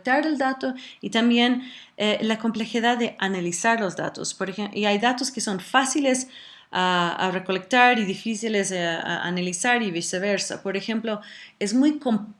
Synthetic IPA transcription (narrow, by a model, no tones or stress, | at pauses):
t̪aɾeld̪at̪oit̪ambje̞n | elako̞mple̞xiðaððeʔanalisaɾlozða̰t̪o̰spoɾeeʔiajðat̪oskeso̞nfasile̞s | aa̰reko̞lek̚t̪aɾiðifisilesa̰a̰nalisaɾiβiseβ̞eɾsa̰po̞ɾexe̞mploezmujkom